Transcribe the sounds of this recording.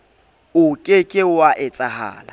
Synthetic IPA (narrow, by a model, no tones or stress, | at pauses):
ʊkʼekʼɪwaʔɪt͡sʼaha̰ːla̰